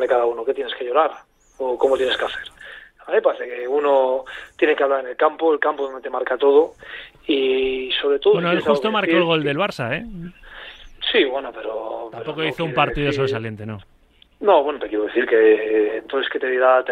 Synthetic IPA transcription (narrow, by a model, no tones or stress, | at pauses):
ekaðaunoket̪jene̞ske̞ʎo̞ɾaɾ | okomot̪jeneskeaθeɾaepaθekeunot̪je̞nekeaβlaɾene̞lkampoelkampoðond̪et̪e̞maɾkat̪o̞ð̞o | iso̞βɾe̞t̪oðbenoelxust̪omaɾkoelɣ̞o̞ld̪e̞lβ̞aɾsae | siβwe̞nope̞ɾo̰p̪t̪ameɾpo̞koiθoumpaɾt̪iðo̞s̬oɾesalje̞nt̪e̞no | noβwe̞not̪ekjeɾoðeθiɾkeːnt̪oesket̪eðiɾat̪